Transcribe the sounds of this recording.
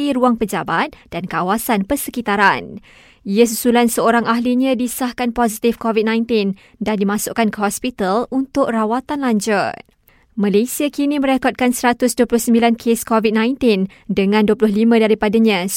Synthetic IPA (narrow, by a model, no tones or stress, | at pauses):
iɾuaŋpəd͡ʒabat̪̚d̥ankawasanpərsəkit̪aɾan | ias̬usulansəoɾaŋaɦliɲãdisahkanpɔzit̪ifkɔvid̚nãjnt̪ɪn | dandimãsʊʔkankəɦɔspit̪alunt̪ʊʔ̚rawat̪anlaɲd͡ʒʊt̚ | mãlesiakinĩmə̃ɾekɔt̪̚kansəɾat̪ʊsduəplʊhsəmbilankʰeskɔvit̚nãj̃nt̪in | dəŋãnduəplʊɦlimãdaɾipadaɲã